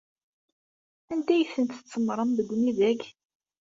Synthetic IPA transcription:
ænd̪æjəθənt̪ət͡sːəmɾˤəmðəɡʷːniðæç

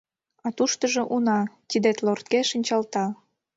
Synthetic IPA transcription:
ɑt̪uʃt̪əʒoʔunɑt̪id̪et̪lort̪̚keʃənʲt͡ɕɑlt̪ɑ

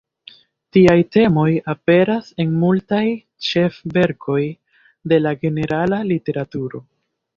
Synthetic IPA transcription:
tiajte̞mo̞jape̞ɾase̞nmultaj | t͡ʃe̞fve̞ɾkʰo̞j | de̞laɡe̞ne̞ɾalalite̞ɾatuɾo̞

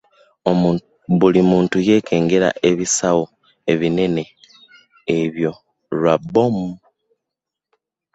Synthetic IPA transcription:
omuː | βulimuːntuje̞ːkʰe̞ːŋɡe̞ɾa̰ʔe̞βisawo | e̞βine̞ne̞ː | βjo̞ | ɾwabom

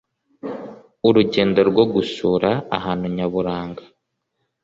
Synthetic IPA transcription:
uɾuɟe̞ːndo̞ɾɡwoɡuʃuːɾa̰ːhaːnhuɲaβuɾaːŋɡḁ

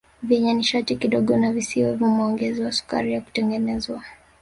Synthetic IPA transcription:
vjɛɲɛniʃatikiɗɔɠɔnavisiwɛvumɔŋɡɛziwasu̥ka̰ɾijaku̥tɛŋɡɛnɛzwa

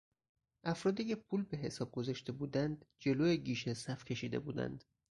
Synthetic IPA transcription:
ʔæfɾɒːd̪iːcʰe̞pʰuːlbe̞ɦe̞sɒːb̚ɡo̞zɒʃt̪e̞buːd̪ænd̪d͡ʒe̞loːjeɟiːʃesæfcʰe̞ʃiːd̪e̞̰bṵːd̪æ̰nd̪̥

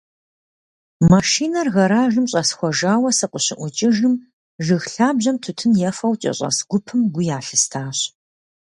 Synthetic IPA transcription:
mɐʃiːnɐrɣɐɾaːʒɨmɕʼɐsxʷɔʒaːwɐsɐqʷʊɕɪʔʷʊt͡ʃʼɪʒɨm | ʒɨxɬaːbʑɐmtʰʊtʰɨnjɛfɐwt͡ʃʼɐ̰ɕʼɐ̰sɡʷʊpʰɨmɡʷʊjaːɬɨstʰaːɕ

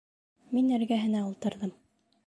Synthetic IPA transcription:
minɘ̆ɾɡæɦɘ̆næulˠt̪ɤ̆ɾðɤm

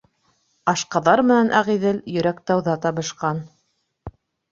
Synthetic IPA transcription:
ɑʃqɑðɑɾmɘ̆nænʔæʁiðɘljɵ̆ɾæk̚t̪ɑwðɑt̪ɑβɤ̆ʃqɑn

